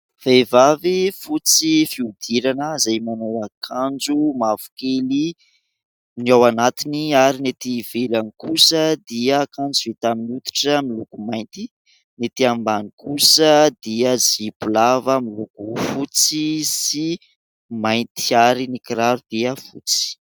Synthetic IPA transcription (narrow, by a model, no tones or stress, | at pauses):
v̥evavifut͡sifiud̪iɾanəzajmanowakʰand͡ʒumavu̥keli | niawanat̪iniaɾinet̪ivelanikusəd̪iəːkand͡zuvet̪aminiut̪u̥ʈ͡ʂəmilukumajnt̪i | net̪iambanikusəd̪iəd͡zibulavəmilukufut͡sisi | majnt̪iaɾinikiɾaɾud̪̥iəfṵt͡si̥